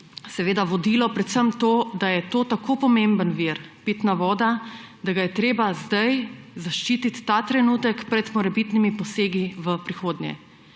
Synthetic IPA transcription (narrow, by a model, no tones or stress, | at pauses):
sɛʋeːd̪aʋɔd̪iːlɔpɾɛt̪səmt̪oːd̪ajɛt̪oːt̪akʰopɔmẽmbənʋiɾpiːt̪naʋɔːd̪ad̪aɡajɛt̪ɾeːbazd̪ajzaʃt͡ʃiːt̪it̪ːat̪ɾɛnuːt̪əkpɾɛt̪mɔɾɛbit̪nimipɔseːɡiʋəpɾixoːd̪njɛ̰